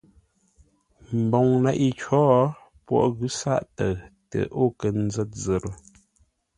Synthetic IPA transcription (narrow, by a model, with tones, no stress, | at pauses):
m̩˨bɔ˨ŋna˨ʔi˦t͡ʃɔː˦ | pwɔ̰˦˨ʔɣʉ˦sa̰˦˨ʔtə˨tə̰˨ʔo˦˨kə˨n̩˦zɛ˦t̚zə˨ɾə˨